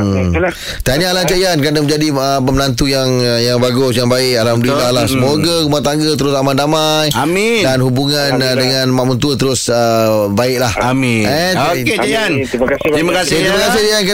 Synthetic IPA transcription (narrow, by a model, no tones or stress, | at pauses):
t̪anialat͡ʃaiankɾanamə̃ɲd͡ʒadiəpəmənant̪̬ujaŋjaŋbaɡʊsjaŋbaɪkaladuilaalasəmoɡakumat̪aŋɡət̪əɾʊsamandama | jami | danhubuŋan | dəŋãnmãʔmənt̪uət̪əɾʊsəbaɪʔ̚lahami | aian | kaɾimakast̪ɾimakasɪhank